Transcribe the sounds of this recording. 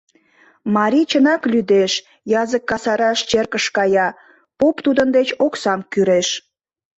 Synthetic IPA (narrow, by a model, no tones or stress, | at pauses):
mɑɾʲit͡ɕənɑklyd̪eʃ | jɑzəkːɑsɑɾɑʃt͡ɕerkəʃkɑjɑ | popt̪ud̪ənd̪et͡ɕoksɑmkyɾeʃ